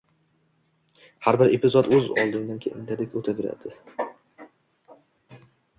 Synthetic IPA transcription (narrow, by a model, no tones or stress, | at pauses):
haɾbɪɾept̪ɪzɒd̪ɵzɒ̰lˠd̪ɪnd̪ankʰʲeʔɪnd̪ʰad̪ekʲɵt̪ʰaveɾa̰d̪̥ɪ